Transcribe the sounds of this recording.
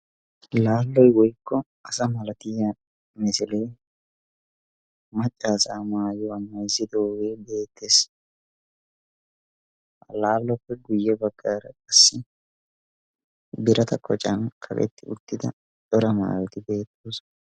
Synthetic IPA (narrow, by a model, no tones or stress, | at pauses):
laːlːɔjwɔjkːɔ | ɐsɐmɐlɐt̪ɪjɐ | mɪsɪleː | mɐt͡ʃʼːaːsaːmaːjɔɐmːɐjzːɪd̪o̞ːwe̞ːbe̞ːt̪ːe̞ːs | laːlːɔpːɛɡʊjːɛbɐɡːaːɾɐkʼɐsːɪ | bɪɾɐt̪ɐkʼɔt͡ʃʼɐnkʰɐ̰bɛ̰t̪ːɪʊ̰d̪ːɪd̪ɐ̰ | t͡ʃʼɔɾɐma̰ːwɛt̪ɪbe̞ːt̪ːoːs